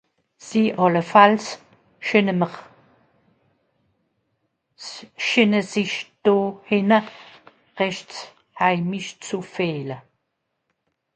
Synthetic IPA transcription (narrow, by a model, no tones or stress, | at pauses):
z̥iːʔɑləfals | ʃɪnəməχ | ʃɪnəzɪʃd̥oːhɪnə | ʁɛʃt͡s | haɪmɪʃt͡sufeːlə